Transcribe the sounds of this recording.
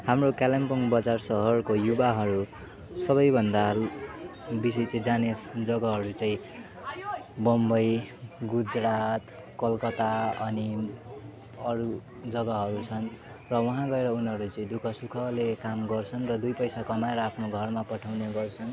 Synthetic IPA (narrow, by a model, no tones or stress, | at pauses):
hamrokalempʌŋbʌd͡zarsʌɦʌrkojubaɦʌɾu | sʌβʌjbʱʌnd̪aɾu | bis̬it͡sʌd͡zanesd͡zʌɡʌɦʌɾut͡saĩ | bʌmbʌjɡud͡zɾat̪ | kʌlkʌt̪aʌni | ʌɾu | d͡zʌɡʌɦʌɾut͡sʰʌn | rʌwʌɦãɡʌeɾʌunɦʌɾut͡sʌĩd̪ukʰʌsukʰʌlekamɡʌrt͡sʰʌnrʌd̪ujpʌjsakʌmaeɾʌapʰnoɡʱʌrmapʌʈʰawneɡʌrt͡sʰʌn